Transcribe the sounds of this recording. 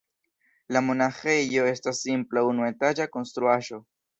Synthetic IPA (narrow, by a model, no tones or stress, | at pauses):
lamo̞naxe̞jo̞e̞stasːimplaunue̞tad͡ʒako̞nstɾuaʒo̞